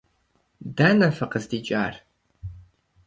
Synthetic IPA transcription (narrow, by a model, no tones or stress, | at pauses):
dɐnɐfɨqəzdiːt͡ʃʼa̰ːr